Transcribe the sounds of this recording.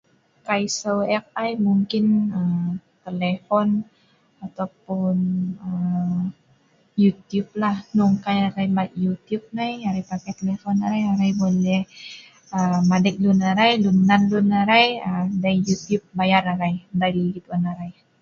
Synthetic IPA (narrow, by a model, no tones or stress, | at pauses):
kajsawɛk̚ajmuŋkɪnəmt̪elefɔn | at̪awpʊnə | jut̪jub̚lahnʊŋkajaɾajmajut̪iʊp̚najaɾajpakajt̪elefɔnaɾajaɾajbolɛh | əmadɛk̚lunaɾajlunanlunaɾajədajut̪jʊp̚bajaraɾajdaliɡit̪uanaɾaj